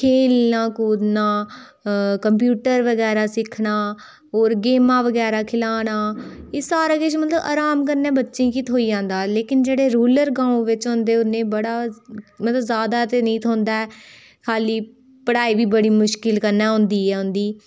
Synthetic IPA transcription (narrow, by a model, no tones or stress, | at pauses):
kʰeːlnãːkuːɾnãː | kəmp̬juːʈəɾʋəɡɛːɾaːsɪkʰɳaː | oːɾɡeːmãːʋəɡɛːɾaːkʰɪlaːnaːɪsaːɾaːɡet͡ʃmət̪ləba̰ːɾaːmkəɾnɛ̃ːbətːʃĩːkit̪ʰɦoːiːd͡ʒãːnd̪aːleːkɪnd͡ʒeːɽeːɾuːləɾɡãːõʋɪt͡ʃɦʊ̃ːnd̪eːʊnːẽːbəɽaːmət̪ləbzaːd̪aːt̪enĩːt̪ʰoːnd̪aːɛː | kʰaːliː | pəɽaːiːbiːbəɽiːmʊʃkɪlkəɾnɛːɦʊ̃nd̪iːɛːʊ̃nd̪iː